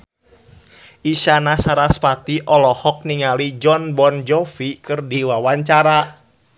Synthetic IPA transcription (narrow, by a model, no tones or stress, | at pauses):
ʔiʃanasaɾaspat̪iʔɔlɔhɔk̚niŋalid͡ʒɔnbɔnd͡ʒɔfikɨrdiwawaɲt͡ʃaɾa